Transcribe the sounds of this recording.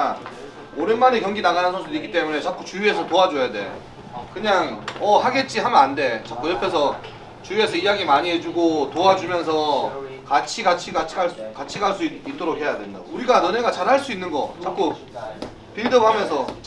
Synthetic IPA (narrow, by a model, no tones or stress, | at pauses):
oɾenmanekjʌŋɡinaɡanɯnɡʌs͈ʰɯnik͈i̥t͈e̞mune̞t͡ɕak͈ut͡ɕujue̞sʰʌtoad͡ʑojade̞̰ | kɯɲaŋʌhaɡe̞t̚t͡ɕ͈iɦamjʌnande̞t͡ɕak͈ojʌpʰe̞sʰʌ | t͡ɕujue̞sʰʌijaɡimaɲiɦe̞d͡ʑuɡotoad͡ʑumjʌnsʰʌkat͡ɕʰiɡat͡ɕʰiɡat͡ɕʰaɭkat͡ɕʰiɡaɭs͈uit͈oɾok̚ɦe̞jadwenda̰ɡouɾiɡanɯne̞ɡat͡ɕaɾɦaɭs͈uinːɯnɡʌ̰t͡ɕak͈u | piɭdɯbhamjʌnsʰʌ